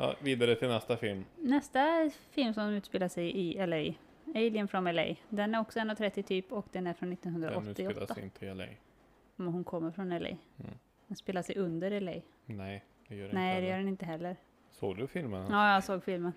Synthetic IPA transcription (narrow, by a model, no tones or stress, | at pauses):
jɑ̰viːd̪aɾət̪ʰɪlnɛst̪afɪlmnɛst̪afɪlmsɔmd̪mʉ̟t̪speːlaʂɛjʔɪɛlɛj | ɛɪlɪənfɾɔnɛlɛ̰jd̪ɛnæɾɔksɔɛnːɔt̪ʰɾɛt̪ːɪt̪ʰyːpɔkd̪ɛnæɾfɾɔnːɪt̪ːɔnɦɵnd̪ɾaʔɔt̪ːɪɔt̪ːa̰nt̪ʰɛlɛ̰j | mɛnɦʊnkʰɔmːəɾfɾɔnɛlɛ̰j | d̪ɛnspeːlaʂɛjɵnd̪əɾɛlɛ̰j | nɛ | d̪̥ɛjnɛɪd̪ɛjœːɖɛnɪnt̪əɦɛlːəɾ | so̰ːɡd̪ɵfɪlmənjɑːjɑsoːɡfɪlmən